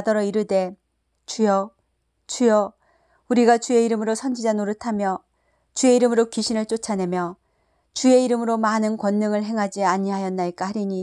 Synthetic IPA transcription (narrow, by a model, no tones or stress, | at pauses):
dʌɾʌiɾɯde̞ | t͡ɕujʌ | t͡ɕujʌ | uɾiɡat͡ɕue̞iɾɯmɯɾosʰʌnd͡ʑid͡ʑanoɾɯtʰamjʌ | t͡ɕue̞iɾɯmɯɾokiɕʰinɯɭt͡ɕ͈ot͡ɕʰane̞mjʌ | t͡ɕue̞iɾɯmɯɾomanɯnkwʌnːɯŋɯɭɦe̞ŋɦad͡ʑiaɲiɦajʌnːaik͈ahaɾiɲi